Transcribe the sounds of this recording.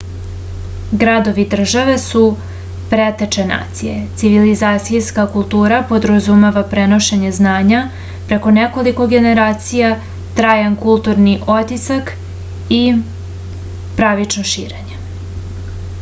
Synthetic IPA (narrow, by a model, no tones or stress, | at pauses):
ɡɾad̪o̞ʋid̪r̩ʒaʋe̞su | pɾet̪et͡ʃena̰ːt̪sije̞̰t̪siʋilizaːt̪sijskakulˠt̪uːɾapo̞d̪ɾazumeʋapɾe̞no̞ʃeɲe̞znaːɲa | pɾe̞ko̞neko̞liko̞ɡe̞ne̞ɾaːt̪sija | t̪ɾaːjankulˠt̪uɾniʔo̞t̪isak | i | pɾaʋit͡ʃnoʃḭːɾe̞ɲe